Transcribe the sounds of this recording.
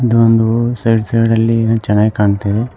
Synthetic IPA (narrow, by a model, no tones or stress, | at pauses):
id̪uond̪usɐjɖsɐjɽɐlːit͡ʃɛnːaːɡikaːɳt̪eʋe